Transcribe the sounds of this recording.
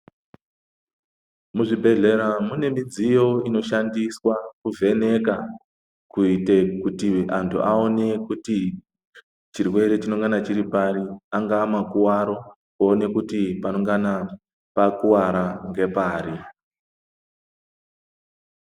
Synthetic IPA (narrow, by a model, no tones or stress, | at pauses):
muʐibʱe̞ɮe̞ɾamune̞mid͡zijo̞ino̞ʃandiswakuve̞ne̞ka | kuite̞kutiantʰṵʔao̞ne̞kuti | t͡ʃirwe̞ɾe̞t͡ʃino̞ŋɡanat͡ʃiɾipaɾiaŋɡaːmakuwaɾo̞ | koːne̞kutipano̞ŋɡana | pakuwaɾaŋɡe̞paːɾi